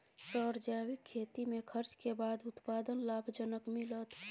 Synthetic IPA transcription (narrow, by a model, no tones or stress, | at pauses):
səɾd͡ʒaːwikʰːeːt̪imẽkʰəɾt͡ʃkebaːd̪ʊt̪paːd̪ənlaːbʱd͡ʒənəkmilət̪